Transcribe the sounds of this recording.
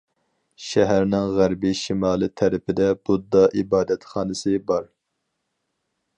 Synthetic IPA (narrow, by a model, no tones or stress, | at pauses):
ʃɛɦæɾnɪŋʁæɾbɪʃimɑːlˠɨt̪ʰɛɾɪpʰɪd̪ɛb̥ud̪ːɑʔibɑːd̪ɛt̪χɑːnɨsɨbɑɾ